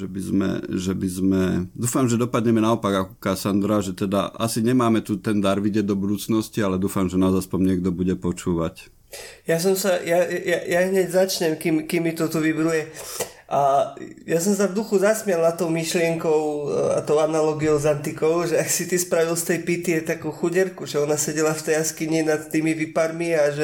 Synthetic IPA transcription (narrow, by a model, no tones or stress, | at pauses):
ʒɛbizmɛ̰ʒɛbizmɛd̪uːfamʒɛd̪ɔpad̪ɲɛmɛnaɔpaɡakɔ̥kasand̪ɾaʒɛt̪ɛd̪a̰ʔa̰siɲɛmaːmɛt̪ut̪ɛnd̪aɾʋiɟɪɛɟ̚d̪ɔbud̪uːt͡snɔscialɛd̪uːfamʒɛnazajspɔmɲɪɛɡ̚d̪ɔbuɟɛpɔt͡ʃuːʋac | jas̬ɔmsajajajaɦɲɛɟzat͡ʃɲɛmkimkimːit̪ɔt̪uʋibɾujɛ | ʔajas̬ɔms̬avd̪uxuzasmɪɛlnat̪ɔʊmiʃlɪɛŋkɔʊa̰t̪ɔʊanalɔɡijɔʊzant̪ikɔʊʒɛaksit̪ispɾaʋilst̪ɛjpit̪iɛt̪akuːxuɟɛɾkuʒɛɔnasɛɟɛlaft̪ɛjaskiɲinat̪ːiːmiʋipaɾmiaʒɛ